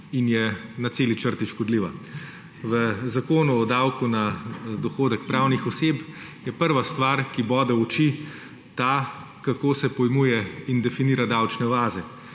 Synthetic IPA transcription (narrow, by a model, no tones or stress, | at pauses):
injɛnat̪seːlit͡ʃəɾt̪iʃkɔd̪liːʋa | ʋəzakoːnuɔd̪awkunad̪ɔxoːd̪ɛk̚pɾawnixɔseːp | jɛpəɾʋast̪ʋaɾkibɔːd̪ɛɔt͡ʃi | t̪a | kakoːsɛpɔjmuːjɛind̪ɛfiniːɾad̪awt͡ʃnɛʋaːzɛ